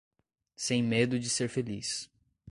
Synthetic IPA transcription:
sẽj̃med̪ʊd͡ʒɪseɾfelis

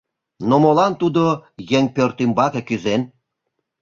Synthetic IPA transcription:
nomolɑnt̪ud̪ojeŋʲpʲørt̪imbɑkĕkyzen

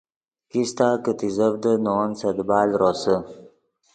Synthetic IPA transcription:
kist̪aːkət̪izəvd̪ənoːnsɐd̪baːlɾʔosə

